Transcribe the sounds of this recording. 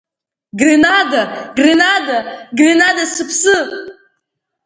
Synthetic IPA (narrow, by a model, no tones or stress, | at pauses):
ɡrenadaɡrenadaɡrenad̪asɨpʰsɨ